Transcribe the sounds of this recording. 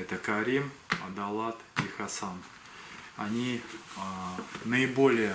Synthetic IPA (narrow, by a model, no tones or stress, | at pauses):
ɛt̪əkɐɾʲimɐd̪ɐlˠat̪ixɐsan | ɐnʲi | nəɪbolʲɪjə